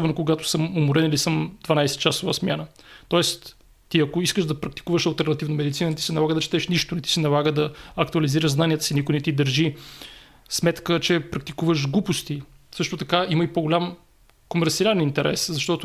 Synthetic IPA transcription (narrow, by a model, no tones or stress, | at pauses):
sɔbɛnokoɡat̪ʊ̥sɤmomuɾɛnilisɤmd̪vɐnajsɛ̥t̪t͡ʃasovəsmʲjanə | t̪ɔɛst̪ | t̪iɐkoiskəʃd̪ɐpɾɐk̚t̪i̥kuvəʃɐlˠt̪ɛɾnɐt̪ivnəmɛd̪it̪sinənɛt̪i̥sɛnɐlˠaɡəd̪ɐt͡ʃɛ̥t̪ɛʃniʃt̪ʊnɛt̪i̥sinɐlˠaɡəd̪ɐɐk̚t̪uɐliziɾəʒznaniət̪ə̥sinikonɛt̪id̪əɾʒi | smɛt̪kət͡ʃɛpɾɐk̚t̪ikuvəʃɡlˠupost̪isɤʃt̪ʊt̪ɐkaiməipoɡolʲam | komɛɾt̪siaɾɛnint̪ɛɾʔɛ̰szɐʃt̪ɔt̪ʊ